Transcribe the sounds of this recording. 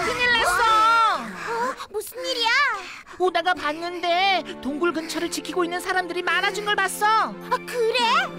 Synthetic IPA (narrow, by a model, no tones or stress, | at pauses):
kʰɯɲiɭːas͈ʌ | mosʰɯniɾia | oneɡapanːɯnde̞toŋɡuɭɡɯnt͡ɕʰʌɾɯɭt͡ɕikʰiɡoinːɯnsʰaɾamdɯɾimanad͡ʑunɡʌɭpas͈ʌ | akɯɾe